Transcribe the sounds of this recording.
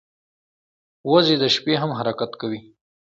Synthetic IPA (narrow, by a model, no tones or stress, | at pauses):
wazed̪əʃpeɦamɦaɾakat̪kawi